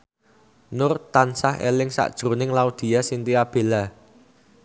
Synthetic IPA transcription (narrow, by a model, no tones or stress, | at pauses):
nʊrt̪ansahḛlɪŋsa̰ʔd̥ʒ̥ɾunɪŋlaud̪̥i̤jasint̪iab̥e̤la